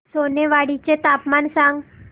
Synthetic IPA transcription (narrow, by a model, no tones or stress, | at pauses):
soneʋaɽit͡ɕet̪apmansãŋɡ